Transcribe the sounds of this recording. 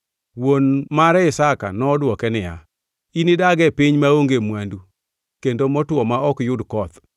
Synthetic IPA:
wonmaɾɛɪsaka̰nɔːdwɔkɛnɪja̰ | inɪdaɡɛpɪɲmaoŋɡemwandu | kendomɔtwɔmaɔkjʊdkɔt̪

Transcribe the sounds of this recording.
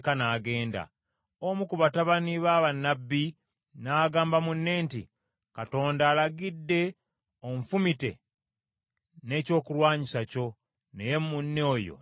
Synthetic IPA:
kanaːɡe̞ːnda̰ | omukuβataβaniβaβanːabːi | naːɡaːmbamunːe̞ːntḭ | kato̞ːndaːlaɡidːe̞ | oɱfumite̞̰ | ne̞ːco̞ːkulwaːɲisaco̞ | neje̞munːo̞ːjo̰

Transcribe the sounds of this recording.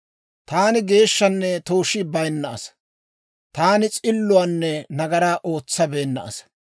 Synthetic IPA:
t̪aːnɪɡe̞ːʃːɐnːɛt̪oːʃɪbɐjnːɐʔɐ̰s | t̪aːnɪt͡sʼɪlːʊwaːnːɛnɐɡɐɾaːʔo̞ːt͡sːɐbe̞ːnːɐ̰ʔɐ̰s

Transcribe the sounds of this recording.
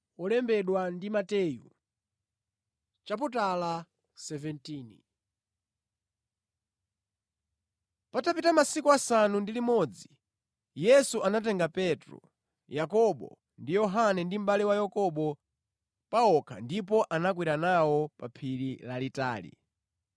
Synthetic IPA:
ɔlɛmbɛɗwandimatɛju | t͡ʃap̬utala | sɛvɛntiːnḭ | patapitamasikuasanundilimɔd͡zi | jɛsuanat̬ɛŋɡapɛtɾɔ̰ | jakɔɓɔ̰ | ndijɔɦanɛndim̩ɓaliwajɔkɔɓɔ | paɔkʰa̰ndip̬ɔʔanak̬wiɾanawɔpapʰiɾilalita̰ːlḭ

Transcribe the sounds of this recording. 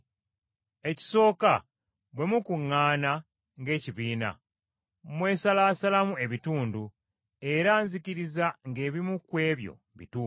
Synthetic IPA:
e̞ci̥so̞ːka | βwe̞mukuŋːaːna | ŋɡe̞ːciβiːna̰ | mwe̞ːsalasalamue̞βituːndu | e̞ɾaːnziciɾizaŋɡe̞ːβimukwe̞ːβjo̞̰ | βḭtuː

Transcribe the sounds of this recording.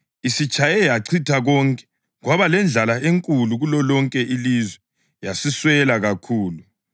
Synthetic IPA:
isit͡ʃʼajɛjaǀʰitʰaɣɔŋkʼɛ̥ | ɣwaβalɛnd͡ɮʱalaeŋkʼuluɣulɔlɔŋkʼɛʔilizwɛ | jasiswɛlaɣakʰuːlu

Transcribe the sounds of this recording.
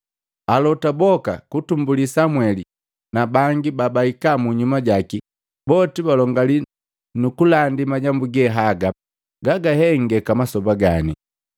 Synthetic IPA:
alɔtabɔka̰kutumbulisamwɛli | nabaŋɡibabaikamuɲumaɟaki | bɔtibalɔŋɡali | nukulandimaɟambuɡɛɦaɡa | ɡaɡahɛŋɡɛkamasɔbaɡani

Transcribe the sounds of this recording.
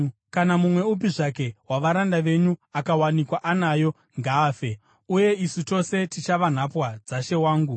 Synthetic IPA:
kanamumwe̞up̬iʐake̞waʋaɾandaʋe̞ɲuakawanikwaʔanajo̞ | ŋɡaːfe̞ | uje̞isito̞se̞tit͡ʃaʋan̤apwad͡zaʃe̞waːŋɡu

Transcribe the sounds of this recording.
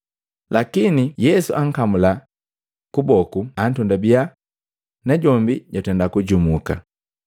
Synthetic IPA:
lakinijɛsṵʔaŋ̩kamula | kubɔkuan̩tɔndabia | naɟɔmbiɟatɛndakuɟumuka̰

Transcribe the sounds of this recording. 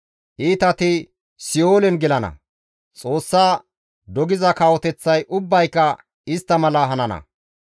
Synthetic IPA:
ʔiːt̪ɐt̪ɪ | sɪoːlɛnɡɛlɐnɐ̰ | t͡sʼo̞ːsːaː | d̪ɔɡɪzɐkaːwɔt̪ɛt͡sːɐjʔʊbːɐjkːɐ | ɪst̪ːɐmɐlɐɦɐnɐnɐ̰

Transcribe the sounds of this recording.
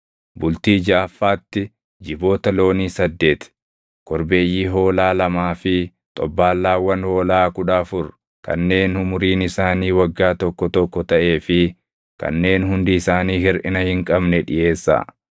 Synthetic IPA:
bʊlt̪iːd͡ʒaːfːaːt̪ːɪ | d͡ʒɪbo̞ːt̪ɐlo̞ːniːsɐd̪ːe̞ːt̪ | kɔɾbe̞ːjːiːɦo̞ːlaːlɐmaːfɪ | t̪ʼɔbːaːlːaːwːɐnho̞ːlaːkʊᶑaːfʊɾ | kɐ̰nːe̞ːnhʊmʊɾiːnɪsaːniːwɐɡːaːt̪ɔkːɔt̪ɔkːɔt̪ɐʔe̞ːfɪ | kɐ̰nːe̞ːnhʊnd̪ɪɪsaːniːɦɪɾʔɪnɐhɪŋkʼɐbnɛᶑɪ̰je̞ːsːa̰ː

